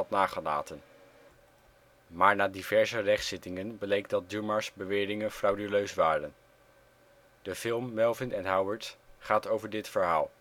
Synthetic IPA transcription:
ɑtnaːχəla̰ːtən | maːɹnaːdivɛɹzərɛχtsɪtɪŋənbəlejk̚dɑt̚dyɹmaɹsbəʋɪːrɪŋənfrawdyløɥsʋaːrən | d̥əfɪlˠmːɛlˠvɪnɛnɦawəɹtχaːtowvəɹdɪtfəɹɦa̰ːlˠ

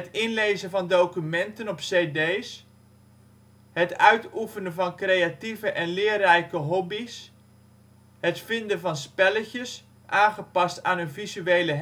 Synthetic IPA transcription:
ɦətɪnlejzəvɑndowkymɛntənɔpsejdejs | ɦətœɥtufənəvɑnkrejativəʔɛnlɪːrɛjkəɦɔbis | hətfɪndəvɑnspɛləcəs | ʔaːnχəpɑstaːnɵnvizyejləɦ

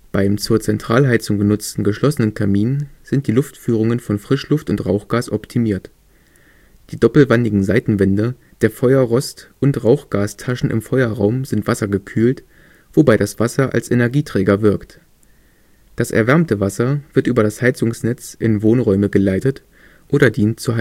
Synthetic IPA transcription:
b̥aɪmt͡suːɐt͡sɛntʁ̥aːlɦaɪt͡sʊŋɡənʊt͡stn̩ɡəʃlɔsənənkʰamiːnz̥ɪnt̚d̥iːlʊftfyːʁ̞ʊŋənfɔnfʁ̥ɪʃlʊftʊntʁaʊxɡ̥aːsʔɔptʰimiːɐt | d̥iːdɔpl̩vandɪɡŋ̩zaɪtn̩vɛndə | d̥eːɐfɔʏɐʁɔstʔʊntʁaʊxɡ̥aːstʰaʃn̩ʔɪ̰mfɔʏɐʁaʊmzɪntv̥asɐɡəkʰyːlt | v̥obaɪdasv̥asɐʔa̰lsʔenɛɐɡiːtʁ̥ɛːɡɐvɪɐkt | d̥asʔɛ̰ɐvɛɐmtəvasɐv̥ɪɐtʔyːbɐɾashaɪt͡sʊŋsnɛt͡sʔɪ̰nvoːnʁɔʏməɡəlaɪtət | ʔoːɾɐdiːntt͡suha

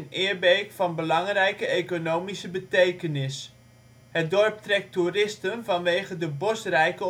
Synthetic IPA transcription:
nɪːɹbeːkfɑnbəlɑŋrɛjkəekonowmisəbətejkənɪs | ɦət̚dɔrp̚trɛk̚turɪstənvɑnʋeːχədəbɔsrɛjkə

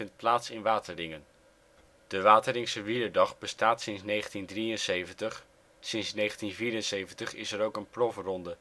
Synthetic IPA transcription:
ɪnt̚plaːtsɪnʋaːtərɪŋən | d̥əʋaːtəlɪŋsəʋiəɹdɑχbəstaːtsɪnsnejχəntindrijənsejvəntəχ | sɪnsnejχəntinviːɾənsejvəntəχɪ̰sɛɾowkənprɔfrɔndə

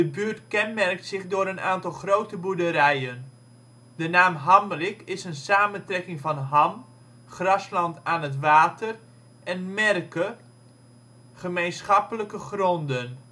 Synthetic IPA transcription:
dəbyːrtkɛnmɛrk̚tsɪχdʊːɾənaːntɑlˠχrowtəbudəɾɛjən | dənaːmɦɑmrɪkɪsənsaːməntrɛkɪŋfɑnɦɑm | χrɑslɑntaːnətʋaːtʰər | ʔɛnmɛrkə | χəmejnsχɑpələkəχrɔndən

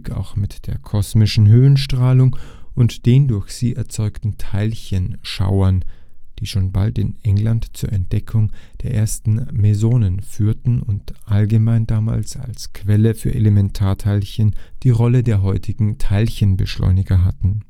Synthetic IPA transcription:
kʰa̰ʊxmɪtd̥eːɐkʰɔsmɪʃn̩ɦøːənʃtʁ̥aːlʊŋʔʊntd̥eːndʊɐçz̥ḭːʔɛɐt͡sɔʏktn̩tʰaɪlçənʃa̰ʊɐnd̥iːʃoːnba̰ltɪ̰nʔɛŋlantt͡suːɐɛnt̚d̥ɛkʰʊŋd̥eːɐʔeːɐstn̩mezoːnənfyːɐtn̩ʊntʔalɡəmaɪndaːma̰ːlsa̰lskʰv̥ɛləfyːɐʔḛlemɛntʰaːɐtʰaɪlçənd̥iːʁɔlədeːɐɦɔʏtʰɪɡŋ̩tʰaɪlçənbəʃlɔ̰ʏnɪɡɐɦatn̩

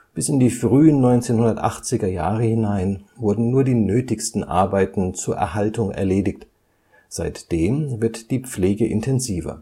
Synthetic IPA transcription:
b̥ɪsɪndiːfʁ̥yːənːɔʏnt͡seːnhʊndɐtʔa̰χt͡sɪɡɐja̰ːʁəhɪnaɪnvʊɐdn̩nuːɐdiːnøːtɪçstn̩ʔa̰ɐbaɪtn̩t͡suːɐʔɛ̰ɐhaltʊŋɛ̰ɐleːdɪçt | z̥aɪtd̥eːmvɪɐtd̥iːp͡fleːɡəʔɪ̰ntʰɛnziːvɐ̰

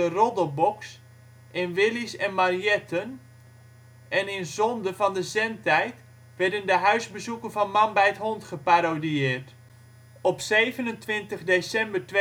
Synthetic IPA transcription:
ərɔdəlˠbɔks | ʔɪnʋɪlisɛnmarjɛtʰən | ʔɛnɪnzɔndəvɑndəzɛntɛjt | ʋɛɹdəndəɦœɥzbəzukənvɑnmɑnbɛjətɦɔntχəpaɾodiɪːrt | ɔpsejvənəntʋɪntəχdesɛmbəɹt

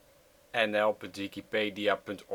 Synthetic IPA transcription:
ɛnɛlˠpʏntʋikipeːdiapʏntɔ

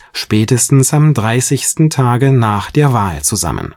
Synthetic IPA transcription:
ʃpɛːtəstn̩samdʁaɪsɪçstn̩tʰaːɡənaːχd̥eːɐvaːlt͡suza̰mə̰̃n

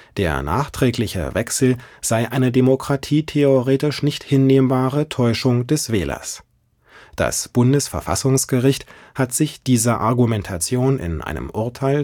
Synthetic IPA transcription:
d̥eːɐna̰ːχtʁ̥ɛːklɪçə̰vɛksl̩z̥aɪʔaɪnədemokʁ̥atʰiːtʰeoʁeːtɪʃnɪçthɪnːeːmbaːʁətʰɔʏʃʊŋdɛsv̥ɛːlɐ̰s | d̥a̰sb̥ʊndəsfɛɐfa̰sʊŋsɡ̥əʁɪçthatz̥ɪçd̥iːzɐʔa̰ɐɡumɛntʰat͡sjoːnɪ̰nʔa̰ɪnə̰mʔʊɐtʰaɪl

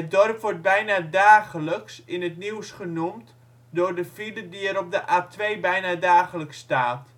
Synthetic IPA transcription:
ədɔrpʋɔrt̚bɛjnadaːχələksɪnətniwsχənumt | dʊːrdəfilədiɛɾɔp̚dəʔaːtʰʋeːbɛjnadaːχələkstaːt

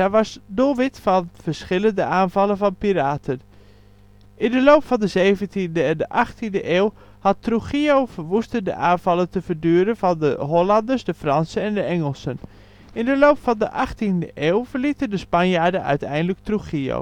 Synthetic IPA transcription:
aʋɑsdolˠʋɪtfɑnv̥əɹsχɪləndəʔaːnvɑlənvɑnpiraːtʰən | ʔɪndəlowpfɑndəzejvəntindəɛndəʔɑχtindəʔeːlˠ | hɑtruχiowvəɹʋustəndə̰ʔaːnv̥ɑləntəv̥əɹdyːɾənvɑndəɦɔlɑndəɹsdəfrɑnsənɛndəɛŋəlˠsən | ɪndəloːpfɑndəʔɑχtindəʔeːlˠvəɹlitəndəspɑnjaːɹdənʔœ̰ɥtɛ̰jndələk̚truχio̰w

